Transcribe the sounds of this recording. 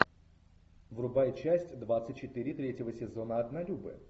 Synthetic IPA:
vrʊbajət͡ɕæsʲtʲd̪vat̪sɨt̚ʲt͡ɕːɪt̪ɨɾʲɪt̪ɾʲetʲjɪvəsʲɪzonəɐd̪nɐlʲubɨ̰

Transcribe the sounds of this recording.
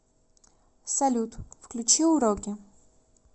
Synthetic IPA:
sɐlʲut̪fklʲut͡ʃiuɾɔkʲɪ

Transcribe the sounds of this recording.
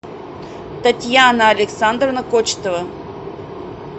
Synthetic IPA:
t̪ɐtʲjanəɐlʲɪksand̪rənɐkot͡ɕt̪əvə

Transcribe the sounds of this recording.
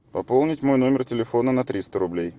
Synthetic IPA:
pɐpo̞lˠnʲɪtʲmo̞jno̞mʲɪrtʲɪlʲɪfo̞nənɐt̪ɾʲist̪əɾʊblʲej

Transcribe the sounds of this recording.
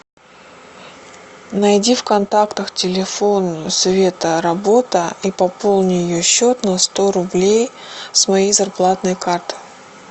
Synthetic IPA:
nɐjdʲifkɐnt̪akt̪əxtʲɪlʲɪfo̞nsvʲe̞t̪əɾɐbo̞t̪əipɐpo̞lˠnʲɪjɪjoɕːo̞t̪nɐst̪o̞ɾʊblʲej | smɐjejzɐrplˠat̪nəjkart̪ɨ̥

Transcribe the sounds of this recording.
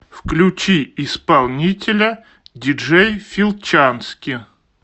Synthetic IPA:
fklʲʉt͡ɕiɪspɐlˠnʲitʲɪlʲə | dʲɪʐejfʲilˠt͡ɕanskʲɪ

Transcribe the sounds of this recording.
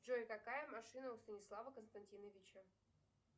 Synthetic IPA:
ʐoɪkɐkajəmɐʂɨnəʊst̪ənʲɪslˠavəkənst̪ɐnʲtʲinəvʲit͡ɕə

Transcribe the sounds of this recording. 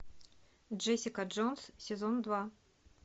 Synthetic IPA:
d͡ʒɛsʲɪkəʐonssʲɪzond̪va

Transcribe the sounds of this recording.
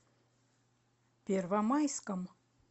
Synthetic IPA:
pʲervamajskəm

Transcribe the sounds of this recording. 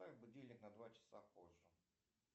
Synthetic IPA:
abʊdʲelʲnʲɪknɐd̪vat͡ɕɪ̥sapoʐːə

